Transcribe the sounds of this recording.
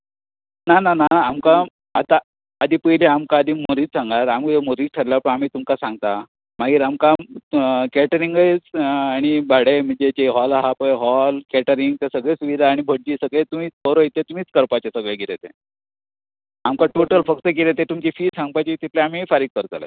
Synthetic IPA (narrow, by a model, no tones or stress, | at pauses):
nananaːmkaː | t̪aː | d̪ʱiːpəɦleamkaːd̪ʱiːmoɾiːt͡ssaŋɡaɾamkemoɾiːʈʰəɾljapəɳam̤iːt̪umkasãŋɡt̪a | maɡiːɾamka | kɛʈəɾiŋɡəjt͡saɽ̃ibʱaɽem̤əɳd͡zet͡ɕeɦɔlaɦapəjɦɔlkɛʈəɾiŋɡ̚t̪asəɡɭesuʋid̪ʱaːɽ̃ibʱəɽ̚d͡ʑiːsəɡɭet̪um̤iːt͡səɾoit̪et̪um̤iːt͡skəɾpat͡ɕesəɡɭeɡʱiɾet̪e | amkaʈoʈəlfəkt̪əɡiɾet̪et̪umt͡ɕifiːsãŋɡ̚pajt͡ɕit̪it̪leam̤ifaɾiːɡ̚kəɾt͡sələ̰